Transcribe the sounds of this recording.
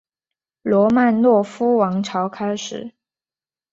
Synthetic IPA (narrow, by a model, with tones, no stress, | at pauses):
lwɔ˧˥ma˥˧nlwɔ˥˩fu˥wɑ˧˥ŋʈ͡ʂʰɑ˧˥ʊkʰa˥ɪʂɻ̩˨˩˦